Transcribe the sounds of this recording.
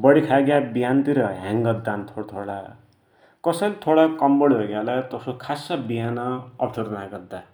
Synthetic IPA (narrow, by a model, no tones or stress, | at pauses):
bʌɽikʰaɡjabijant̪iɾʌɦãŋɡʌd̪ːant̪ʰoɽt̪ʰoɽa̰ | kʌsʌlit̪ʰoɽakʌmbʌɽɦeɡalat̪ʌsokʰasabiɦanʌʌpʈʰoɾnaɡʌd̪ːa